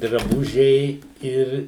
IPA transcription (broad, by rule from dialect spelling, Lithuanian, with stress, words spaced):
drɐˈbʊʒʲɛɪ ˈɪr